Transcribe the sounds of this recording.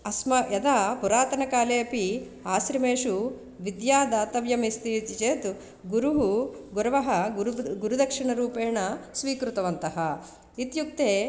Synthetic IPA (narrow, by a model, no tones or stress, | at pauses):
ɐsmɐjɐd̪aːpuɾaːt̪ɐnɐkaːleːɐpi | aːsɾɐmeːʂu | ʋid̪jaːd̪aːt̪ɐʋjɐmist̪ijut͡ʃ̪it͡ʃeːt̪u | ɡuɾuɦuɡuɾɐʋɐɦɐɡɡuɾud̪ɐkʂiɳɐɾuːpeːɳɐsʋiːkɾut̪ɐʋɐnt̪ɐɦɐ | it̪juk̚t̪eː